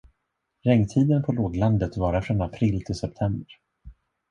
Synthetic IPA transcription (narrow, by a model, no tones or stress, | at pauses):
ɾɛŋːt̪ʰiːd̪ənpʰɔloːɡ̪land̪ət̪vɑːɾafɾɔnapʰɾiːlt̪ʰɪlsɛp̚t̪ʰɛmbəɾ